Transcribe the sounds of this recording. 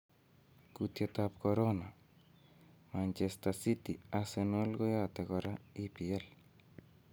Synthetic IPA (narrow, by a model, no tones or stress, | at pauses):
kut̪jet̪apkoɾona | mant͡ʃest̪asit̪iasenwelɡojat̪ekɔɾaipiel